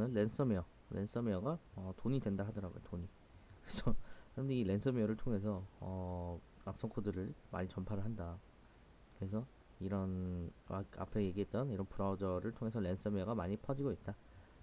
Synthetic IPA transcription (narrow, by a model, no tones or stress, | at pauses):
nɯnle̞ns͈ʌmejʌ | le̞̰ns͈ʌmeʌɡaʌtoɲidwe̞ndaɦadʌɾaɡojo̰toɲi | kɾesʰʌkɯɾʌndeile̞ns͈ʰʌmeʌɾɯɭtʰoŋɦe̞s̬ʰʌʌ | ak̚s͈ʌŋkʰodɯɾɯɭma̰ɲit͡ɕʌmpʰaɾɯɭɦanda | kɯɾe̞s̬ʰʌ | iɾʌna̰ka̰pʰeje̞ɡiɦe̞t̚t͈ʌniɾʌnpuɾad͡ʑʌɾɯɭtʰoŋe̞sʰʌɭe̞ns͈ʌmeʌɡamaɲipʰʌd͡ʑiɡoit̚t͈a